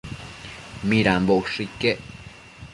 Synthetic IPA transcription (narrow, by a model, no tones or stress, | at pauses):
miɾamboʔʂikːeʔ